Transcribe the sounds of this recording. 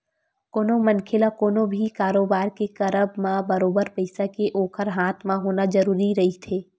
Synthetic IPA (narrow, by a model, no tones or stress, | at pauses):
koːnomɐnkʰɪlakoːnõbʱikaːɾoːbaːɾkekɐɾəbmãbɐɾoːbəɾpɐɪsakeʔoːkʰəɾɦaːt̪ʰmãɦoːnazɐɾuːɾiɾɐɦit̪ʰeː